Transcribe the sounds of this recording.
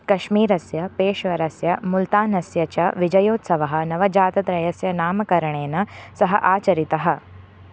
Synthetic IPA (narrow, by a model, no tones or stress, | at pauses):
kɐʃmiːɾɐsjɐpeːʃʋɐɾɐsjɐmult̪aːnɐsjɐt͡ʃɐʋid͡ʒɐjoːt̪sɐʋɐɦɐ̆nɐʋɐd͡ʒaːt̪ɐt̪ɾɐjɐsjɐnaːmɐkɐɾɐɳeːnɐsɐɦɐʔaːt͡ʃɐɾit̪ɐɦɐ̆